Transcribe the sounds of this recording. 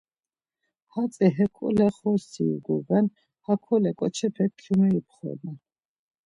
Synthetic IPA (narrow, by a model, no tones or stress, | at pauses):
hat͡sʼɛɦɛkʰʼṵlɛχɔsiṵɡɔɡɛn | hakʰɔlɛkʼɔt͡ʃʰɛpʰɛt̪kʰːjumɛipʰχɔ̰na